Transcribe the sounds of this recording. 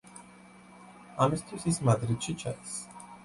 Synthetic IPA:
amist̪ʰwisismad̪ɾit̪ʃit͡ʃʰad̪is

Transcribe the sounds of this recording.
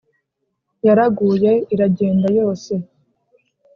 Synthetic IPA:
jaɾaɡuːje̞iɾaɟe̞ːndajo̞ːse̞

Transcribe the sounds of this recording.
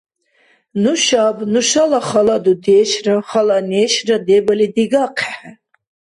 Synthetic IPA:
nuʃabnuʃalaχalad̪ud̪ɛːʃraχalanɛːʃrad̪ɛbalid̪iɡaqʰɛħɛ

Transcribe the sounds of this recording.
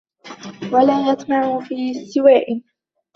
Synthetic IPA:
walaːjɑt̪ˤmaʕʊfiːst̪ɪwaːʔɪ

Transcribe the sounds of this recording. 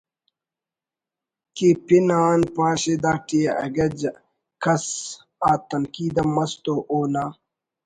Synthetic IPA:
kipinaːnpaːɕed̪aːʈieʔɐ̰ɡɐd͡ʑ | kɐs | aːt̪ɐnkiːd̪ɐmɐst̪oʔoːnaː

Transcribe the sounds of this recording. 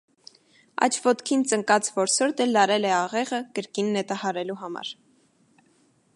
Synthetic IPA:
ɑ̰t͡ʃʰvɔt̪kʰint͡səŋkɑt͡svɔɾsɔɾt̪ɛlːɑɾɛlɛɑʁɛʁəkəɾkinːɛt̪ɑhɑɾɛluɦɑmɑ̰ɾ

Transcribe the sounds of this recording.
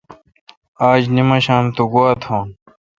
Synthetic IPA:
aːd͡ʑnimɐɕãːnt̪uɡwaːt̪ʰõːn

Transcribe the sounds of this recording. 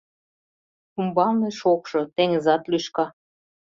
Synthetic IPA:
umbɑlneʃokʃɤ̆t̪eŋəzɑt̪lyʃkɑ

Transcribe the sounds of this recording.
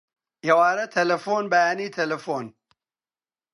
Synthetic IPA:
jɐwaːɾɐt̪ʰɐlɐfoːnbajaːnit̪ʰɐlɐfoːn

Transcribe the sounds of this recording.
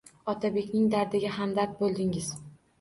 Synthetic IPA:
ɒt̪ʰabe̞kʲnɪŋd̪aɾd̪ɪɡʲaɦamd̪aɾt̪̚bolˠd̪ɪŋɪz̥

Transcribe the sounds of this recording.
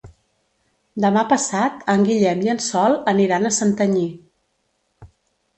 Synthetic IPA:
d̪əmapəsat̪əŋɡiʎɛmjənsɔlˠəniɾanəsənt̪əɲi

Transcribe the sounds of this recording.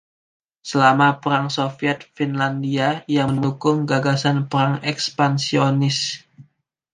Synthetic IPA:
səlamapəɾaŋsofiɛt̪̚finlandiajaŋəndukʊŋɡaɡasanpəɾaŋɛkspansionɪs

